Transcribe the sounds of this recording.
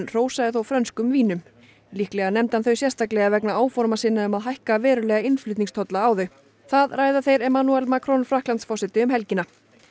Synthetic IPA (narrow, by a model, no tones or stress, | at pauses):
nr̥oːwsaðɪθowfɾœnskʏmviːnʏm | lihklɛɣanɛmt̪hanθœɥsjɛst̪aklɛɣavɛknaaːwfɔɾmasɪnːaʏmaðɦajhkavɛːɾʏlɛɣaɪnflʏt̪niŋst̪ʰɔt̪laaːwðʏ | θaðraːjðaθejɾɛmanuɛlmakʰɾɔnfɾahklant̪sfɔsɛt̪ɪʏmɦɛlcɪna